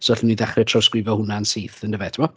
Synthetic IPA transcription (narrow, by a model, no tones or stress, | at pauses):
sɔɛɬmniðɛχrɛtʰrɔwskrɪvjɔhʊnansiːθəndəvɛtʰɪmɔ